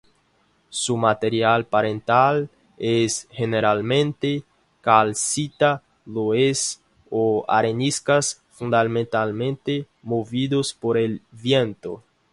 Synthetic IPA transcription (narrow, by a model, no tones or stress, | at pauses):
sumat̪eɾjalpaɾẽnt̪al | esʝeneɾalmẽnt̪e | kalsit̪a | ðoes | oa̰ɾeniskas | fũnd̪almẽnt̪almẽnt̪e | moviðospoɾelβjẽnt̪o̰